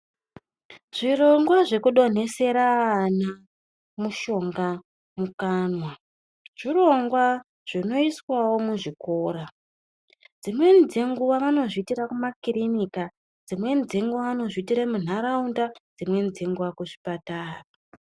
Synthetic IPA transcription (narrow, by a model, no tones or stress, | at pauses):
ʐ̥iro̞ŋɡwaʐe̞kuɗo̞n̤e̞se̞ɾaːna | muʃo̞ŋɡa | mukaːnwa | ʐ̥iro̞ŋɡwa | ʐ̥ino̞iswawo̞muʐikoːɾa | d͡zimwe̞nd͡zeŋɡuʋaʋano̞ʐitirakumakirinika | d͡zimwe̞nzeŋɡuaʋano̞ʐitiɾamun̤aɾaundad͡zimwe̞nzeŋɡuʋakuʐi̥pataːra